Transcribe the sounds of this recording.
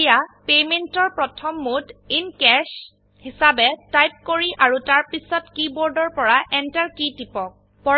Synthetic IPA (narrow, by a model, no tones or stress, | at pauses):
japementɔɹpɹɔtʰɔmːutinkɛʃ | hisabɛtajp̚koɹiʔaɹutaɹpisɔtkibɔɹdɔɹpɔɹaʔɛntaɹkitipɔk̚ | pɔ